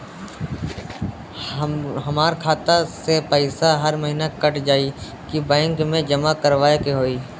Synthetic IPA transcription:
ɦɐmaːɾkʰaːt̪asepəɪsaɦɐɾməɦinakəʈd͡ʒaːi | kibɛ̃ːŋkmẽd͡ʒəmakəɾʋaːekeɦoːiː

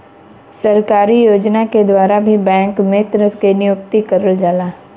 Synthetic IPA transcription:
sɐɾkaːɾijoːd͡ʒnaked̪waːɾabʱibɛ̃ːŋkmẽt̪ɾəskenɪjʊk̚t̪ikəɾəld͡ʒaːlaː

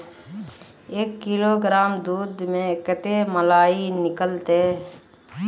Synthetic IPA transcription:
eːkːɪloːɡɾaːmd̪uːd̪mẽkət̪eməlaːinɪkəlt̪eː

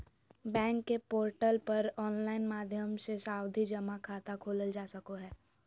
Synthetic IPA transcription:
bɛ̃ːŋkːepoːɾʈəlpɐɾɔːnlaːɪnmaːd̪ʱjəmsesaːwd̪ʱid͡ʒɐmakʰaːt̪akʰoːləld͡ʒaːsɐkoɦɛː

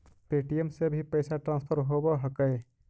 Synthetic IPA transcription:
peʈijemsebʱipəɪsaʈɾãnspʰəɾɦoboɦəkə

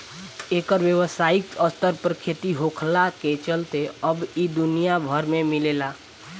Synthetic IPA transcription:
eːkəɾʋjəʋəsaikəst̪əɾpəɾkʰet̪iɦokʰlaket͡ʃəlt̪eəbid̪unijabʱəɾmemilela

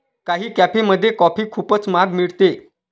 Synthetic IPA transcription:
kaɦiːkæpeməd̪ʱːjekɔpiːkʰuːpət͡smaɡmiɭt̪e

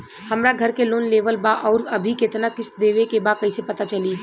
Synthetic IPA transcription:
hɐmɾaɡʱɐɾkeloːnleːʋəlbaʔɔːɾɐbʱikɪt̪nakɪsd̪eːʋekebaːkɐisepɐt̪at͡ʃɐliː

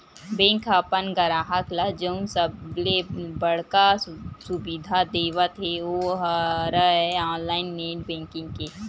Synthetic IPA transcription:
bẽːŋkapənɡəɾaːɦəklad͡ʒəʊnsəlebəɽ̤kasʊbid̪ʱad̪eːʋat̪ʰeoɦɾəɛaːnlaːɪnːẽːɳɖbẽːŋkɪ̃ŋɡke

